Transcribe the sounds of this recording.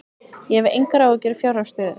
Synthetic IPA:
jɛɛvḛjŋkaɾaocɛɾɪfjawɾast̪œːðɪ

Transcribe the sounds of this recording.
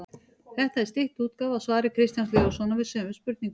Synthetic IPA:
θɛht̪aɛɾst̪ɪht̪uːt̪kaːvaðsvaːɾɪkʰɾɪst̪jansleːɾasɔnavɪðsœːmʏspʏɾt̪̚niŋk

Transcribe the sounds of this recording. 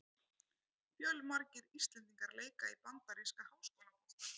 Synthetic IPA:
fjœlmaɾcɪɾist̪lɛnt̪iŋkaɾleːjkaipant̪aɾeskahawskɔla

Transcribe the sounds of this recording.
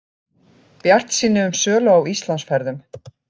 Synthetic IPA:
pjar̥t̪siːnːɪʏmsœːlaawist̪lansfɛɾðʏm

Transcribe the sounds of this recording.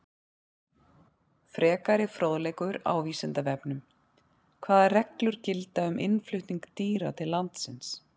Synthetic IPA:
fɾɛːkaɾɪfɾowðlejkʏɾa̰ːwviːsɪnt̪avɛpnʏm | kʰvaːðarɛklʏɾ̥cɪlt̪aʏmʔɪnflʏht̪niŋkt̪iːɾat̪ʰɪlːant̪sɪns

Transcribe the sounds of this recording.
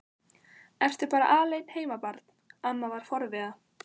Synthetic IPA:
ɛr̥t̪ʏpaːɾa̰ʔaːleːjnheːjmapaɾt̪n̥amːavaɾ̥fɔɾvɪða

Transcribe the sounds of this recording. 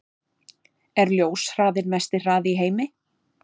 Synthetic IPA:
ɛɾljoːwsr̥aːðɪɾmɛst̪ɪr̥aːðɪiɦeːjmɪ

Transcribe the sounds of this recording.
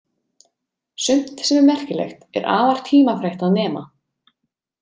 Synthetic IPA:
sʏm̥t̪sɛmɛɾmɛr̥cɪlḛxt̪ɛ̰ɾʔa̰ːvar̥t̪ʰiːmafɾejht̪aðnɛːma̰

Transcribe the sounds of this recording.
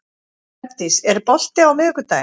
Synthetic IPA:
ɛpt̪isɛɾpɔl̥t̪ɪawmɪːkʏt̪aːj

